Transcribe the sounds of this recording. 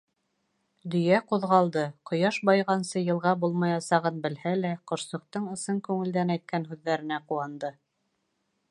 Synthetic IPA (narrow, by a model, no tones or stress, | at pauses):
d̪ɵ̆jæquðʁɑlˠd̪ɤqŏjɑʃbɑjʁɑnsɤjɤ̆lˠʁɑbulˠmɑjɑsɑʁɤnbɘ̆lhælæqŏʃsɤ̆q̚t̪ɤɴɤ̆sɤŋkʉŋɘ̆ld̪ænæjt̪̚kænɦʉðːæɾɘ̆næquɑnd̪ɤ